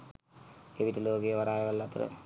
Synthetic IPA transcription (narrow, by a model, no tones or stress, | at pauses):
keʋit̪ɐloːɡejɐʋɐɾaːjɐʋɐlːɐt̪ɾɐ̰